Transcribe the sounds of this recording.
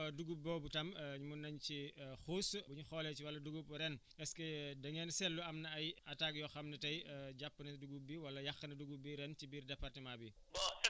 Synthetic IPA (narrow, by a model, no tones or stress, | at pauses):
duɡuːbɔːbutɐmɲumunːɐɲcixuːsbuɲuxɔːlɛciwɐlːɐduɡupɾɛn | ɛskɛdɐŋɛnsɛlːuɐmnɐɐjɐtak̚jɔxɐmnɐtɐjɟapːənɐduɡubiwɐlːɐjɐxːɐnɐduɡubiɾɛncibiːrdɐpːɐrtimabi | bɔ